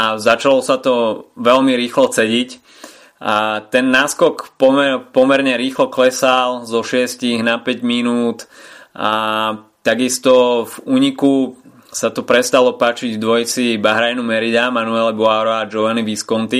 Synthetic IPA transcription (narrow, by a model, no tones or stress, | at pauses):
azat͡ʃalɔsat̪ɔʋɛlmiɾiːxlɔt͡sɛɟic | t̪ɛnːaːskɔkpɔmɛpɔmɛɾɲɛɾiːxlɔklɛsalzɔʃɪɛsciɣnapɛɟminuːt̪at̪aɡist̪ɔvuːɲiku | sat̪ɔpɾɛst̪alɔpaːt͡ʃiɟvd̪ʋɔjt͡sibaɦɾajnumɛɾid̪amanuɛlɛbɔaɾɔad͡ʒɔʋaniʋiskɔnt̪i